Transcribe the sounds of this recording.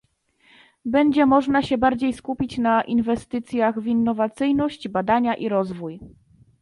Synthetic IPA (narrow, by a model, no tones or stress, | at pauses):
bɛɲd͡ʑɛmɔʐnaɕɛbaɾd͡ʑejskupʲit͡ɕnaʔinvɛst̪ɘt̪sʲjaɣvinːɔvat̪sɘjnɔɕt͡ɕbad̪aɲaʔiɾɔzvuj